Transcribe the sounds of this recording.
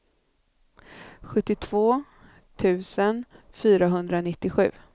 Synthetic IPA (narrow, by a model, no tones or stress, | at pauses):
ɧɵt̪ːɪt̪ʰv̥oː | t̪ʰʉ̟ːsən | fyːɾaɦɵnd̪ɾanɪt̪ːɪɧʉ̟̰ː